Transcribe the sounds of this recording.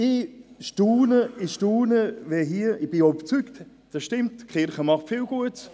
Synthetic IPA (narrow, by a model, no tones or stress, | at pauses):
ɪʃtuːnəɪʃtuːnəvɛɦiəɪb̥ɪɔbət͡sykt | d̥ɑsʃtɪmtkχɪɾχəmɑχtfɪlɡ̥uət